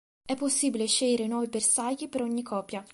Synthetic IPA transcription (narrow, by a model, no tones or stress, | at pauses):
ɛpːosːiːbileʃejɾenwɔːvibersajipeɾoɲːikʰːɔːpːja